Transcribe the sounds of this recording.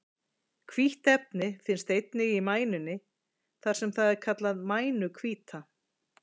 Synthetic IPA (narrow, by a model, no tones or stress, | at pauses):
kʰviht̪ɛp̚nɪfɪnst̪ejt̪nɪɣimaːjnʏnːɪ | θaɾ̥sɛmθaðɛɾ̥kʰat̪laðmaːjnʏkʰviːt̪ʰa